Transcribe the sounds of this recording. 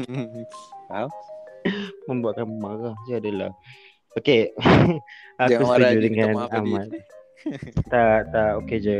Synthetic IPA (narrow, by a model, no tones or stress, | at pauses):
mə̃mbuaʔ̪̚kanmaɣahd͡ʒaadəla̰h | oke | akustud͡ʒudəŋãnamat̪̚ | t̪at̪aʔoked͡ʒə